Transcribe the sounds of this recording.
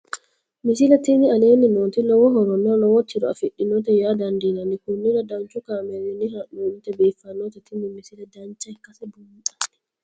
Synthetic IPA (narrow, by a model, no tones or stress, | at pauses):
misilatinialeninontinɔwɔɦɔɾɔnɔnɔwotːiɾɔ̰afiɗːinɔtɛjadandinanikunːiɾadant͡ʃukamɛɾiniɾaɗomtɛbɛfanɔtɛtʰimimisiladant͡ʃajkasɛbuʔḁ